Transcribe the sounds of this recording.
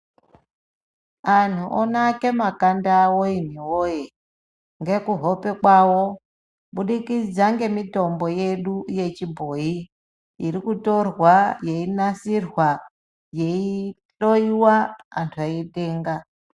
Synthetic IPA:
an̤uʔonake̞makandawoin̤iwoje | ŋɡe̞kuɦo̞pe̞kwawo | ɓuɗikid͡zaŋɡe̞mito̞mbo̞jeɗuje̞t͡ʃibʱo̞i | irikuto̞rwaje̞inasirwa | je̞i | ɬo̞iwaːntʰuaiɗeːŋɡa

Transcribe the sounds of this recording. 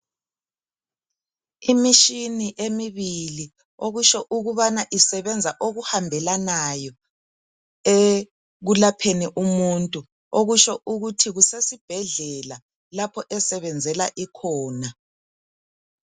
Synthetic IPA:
imiʃiniʔemiβili | oɣuʃɔʔuɣuβanaʔisɛβɛnd͡zʱaʔoɣuhambʱɛlanajɔ | e | ɣulapʰeniʔumuntʼu | oɣuʃɔʔuɣutʰiɣusesib̥ʱɛɮɛla | lapʰɔʔɛsɛβɛnd͡zʱɛlaʔikʰɔːna

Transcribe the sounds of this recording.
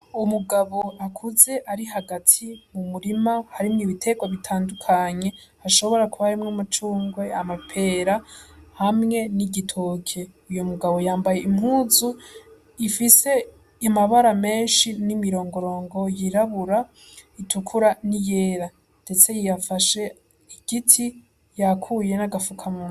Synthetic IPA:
umuɡaβo̞akʰuze̞ʔaɾiɦaɡatʰimumuɾimahaɾimɲiβitʰe̞ɡwaβitʰaːndukʰaɲe̞ | haʃo̞βo̞ɾakuβaɾimŋamat͡ʃuːŋɡwe̞amapʰe̞ɾahamŋe̞niɟitʰoːkʰe̞ujomuɡaβo̞jaːmbajeimɦuːzu | ifise̞ | amaβaɾame̞ːnʃinimiɾo̞ːŋɡo̞ɾo̞ːŋɡo̞jiɾaβuɾa | itʰukʰuɾanije̞ːɾa | nde̞t͡se̞jijafaʃe̞ | iɡ̥itʰi | jakʰuje̞naɡafukʰamun

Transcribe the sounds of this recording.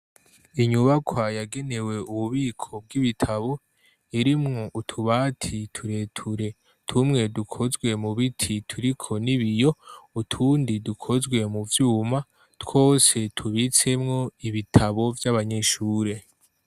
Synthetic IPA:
iɲuβakwajaɡe̞ne̞we̞uβuβiːkʰo̞b̚ɡiβitʰaβo̞ | iɾimŋo̞ʔutʰuβaːtʰitʰuɾe̞tʰuɾe̞ | tʰumŋe̞dukʰo̞zɡwe̞muβitʰitʰuɾikʰo̞niβijo̞utʰuːndidukʰo̞zɡwe̞muvjuːma | two̞ːse̞tʰuβit͡se̞mŋo̞iβitʰaβo̞vjaβaɲe̞ʃuːɾe̞

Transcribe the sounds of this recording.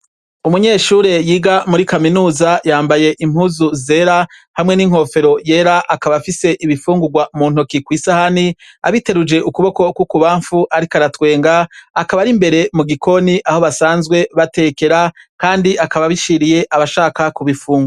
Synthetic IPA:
umuɲe̞ːʃuːɾe̞jiːɡamuɾikaminuːzajaːmbaje̞ʔim̥huːzuzeːɾahamŋe̞niŋ̥ho̞fe̞ɾo̞je̞ːɾaʔakaβafise̞ʔiβifuːŋɡuɡwamuːnhokikwiːsahani | a̰βite̞ɾud͡ʒe̞ʔukuβo̞ko̞kwukuβaːɱfuʔaɾikaɾatwe̞ːŋɡaːkaβaɾimbe̞ɾe̞muɡikʰo̞niʔaho̞βasaːnzɡwe̞βate̞ːke̞ɾakaːndiʔakaβaβiʃiɾije̞ʔaβaʃaːkakuβifuːŋɡwa

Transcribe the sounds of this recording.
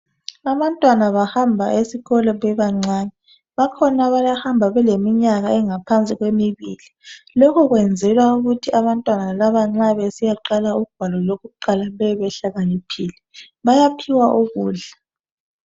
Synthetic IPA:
aβantʼwanaβahambʱaʔesiɣɔlɔβɛβaŋ͡ǀaːnɛ | βakʰɔnaβajahambʱaβɛlemiɲaɣaɛŋapʰant͡sʼiɣwemiβiːlilokʰuɣwɛnd͡zʱɛlwauɣutʰiaβantʼwanalaβaŋ͡ǁaβɛsijaǃalauɡ̥ʱwalɔloɣuǃalaβɛβɛɬaɣanipʰiːlɛ | βajapʰiwaʔuɣuːɮa

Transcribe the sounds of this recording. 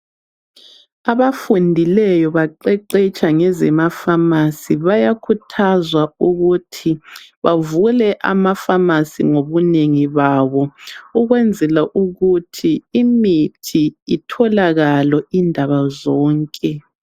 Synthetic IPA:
aβafundʱilɛjɔβaǃɛǃɛt͡ʃʼaŋɛzɛmafamasiβajakʰutʰazwauɣutʰiβavulɛʔamafamasḭŋoβuneŋiβaβɔuɣwɛnd͡zʱɛlaʔuɣutʰiimitʰiitʰɔlaɣalwɔindʱaβazɔːŋkʼɛ

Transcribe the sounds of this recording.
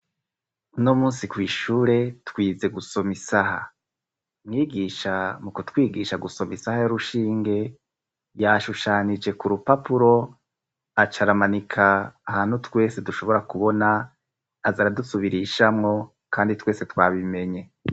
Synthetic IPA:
nomuːnsikwiːʃuːɾe̞twiːze̞ɡuso̞misaha | mŋiːɡiːʃamukotwiːɡiːʃaɡuso̞misahajoɾuʃiːŋɡe̞ | jaʃuʃanid͡ʒe̞kuɾupapuɾo̞ | at͡ʃaɾamanikʰaːhaːnhutwe̞ːse̞duʃo̞βo̞ɾakuβo̞naː | zaɾadusuβiɾiʃamŋo̞ | kaːnditwe̞ːse̞twaːβime̞ɲe̞

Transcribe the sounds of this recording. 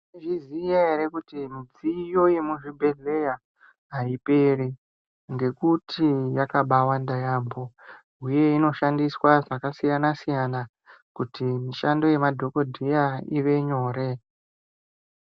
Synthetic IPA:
ʐizijaeɾekutimid͡zijo̞je̞muʐibʱe̞ɮe̞ja | ɦaiperi | ŋɡe̞kutʰijakaɓawandajaːmbo̞ | uje̞ino̞ʃandiswaʐakasijanasijana | kutimiʃando̞je̞madʱo̞ko̞dʱijaiʋe̞ɲo̞ːɾe̞

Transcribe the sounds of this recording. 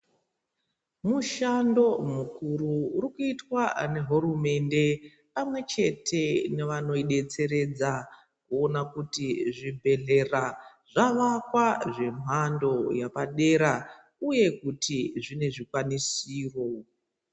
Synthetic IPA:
muʃando̞mukʰururikuitwane̞ɦuɾume̞nde̞ | pamwe̞t͡ʃe̞tʰe̞neʋano̞iɗe̞t͡se̞ɾe̞d͡za | kuo̞nakutiʐibʱe̞ɮe̞ra | ʐ̥aʋakwaʐe̞m̤ʱando̞japaɗe̞ɾa | uje̞kutʰiʐine̞ʐikwanisiːro̞

